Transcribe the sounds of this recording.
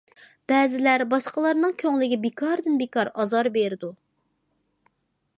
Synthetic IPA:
b̥ɛːzɪlæɾbɑʃqəlˠɑɾnɨŋkʲʰøŋlɪɡʲɛbekʰɑɾd̪ɪnbekɑɾɑzɑɾbeɾɪd̪u

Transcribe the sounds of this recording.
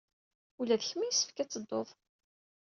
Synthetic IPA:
ulæðəçmijsːə̥fkæt͡sːəd̪ˤːoðˤ

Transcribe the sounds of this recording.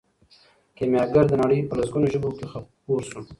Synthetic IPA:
kemjɑɡaɾd̪ənaɽəjpəlasɡunoʒəbokexapuɾsu

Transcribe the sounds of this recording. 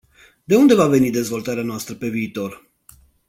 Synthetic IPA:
d̪e̞und̪e̞vave̞nid̪e̞zvo̞lt̪aɾeanoast̪ɾəpe̞viːt̪o̞r

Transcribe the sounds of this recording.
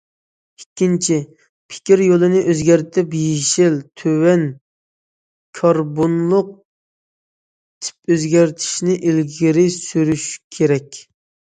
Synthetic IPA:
ikʲʰːint͡ʃʰi | pʰɪ̥kʲiɾjolˠɨnɪʔøzɡʲæɾt̪ʰɪpjiʃɪlt̪ʰøwɛn | kʰɑɾbonlˠʊq̚ | t̪ʰɪ̥p̚øzɡʲæɾt̪ʰi̥ʃnɪʔilɡʲiɾɪsyɾyʃkʲʰeɾɛkʲ

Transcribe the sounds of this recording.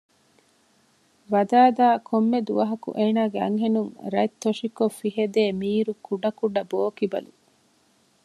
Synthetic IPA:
ʋɐd̪aːd̪aːkʰomːed̪uʋɐɦɐkṵʔeːnaːɡeɐ̰ŋɦenuŋɾɐt̪ːoʂikofiɦed̪eːmiːɾukuɖɐkuɖɐboːkibɐ̰lṵ

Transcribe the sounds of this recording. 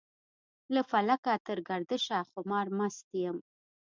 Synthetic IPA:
ləfalakat̪əɾɡaɾd̪əʃaxʊmɑɾmast̪ijəm

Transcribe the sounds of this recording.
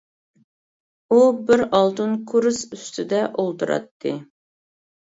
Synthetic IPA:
ubɪɾɑlˠt̪ɨnkʰuɾsyst̪ʰɪd̪ɛʔolˠt̪uɾɑ̰t̪ʰːɨ

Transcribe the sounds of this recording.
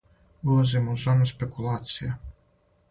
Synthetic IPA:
ulazimozanuspekulˠaːt̪sija

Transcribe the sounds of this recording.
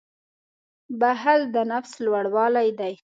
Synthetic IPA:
baɦald̪ənafslwaɽwɑlajd̪aj

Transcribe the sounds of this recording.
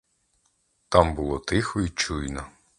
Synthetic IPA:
t̪ɑmbʊlˠɔt̪ɪxɔit͡ʃujnɔ

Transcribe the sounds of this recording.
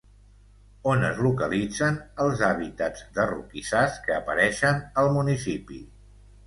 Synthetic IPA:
onəzlukəlid͡zənəlˠzaβit̪ad͡zd̪ərṵkisaskəːpəɾɛʃənəlˠmunisipḭ

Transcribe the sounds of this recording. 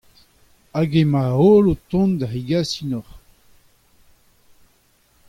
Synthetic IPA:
aɡemaolot̪ɔ̃nd̪aʁiɡasinɔʁ

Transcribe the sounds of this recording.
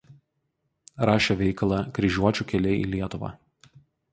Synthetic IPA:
ɾɑːʃʲɛʋʲɛɪkɐlˠɑkɾʲɪʒʲuɔt͡ʃʲuːˑkʲɛlʲɛɪʔḭːlʲiɛt̪ʊʋɑ̰ː

